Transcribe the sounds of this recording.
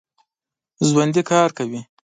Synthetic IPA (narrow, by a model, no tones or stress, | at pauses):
zwand̪ikɑɾkawi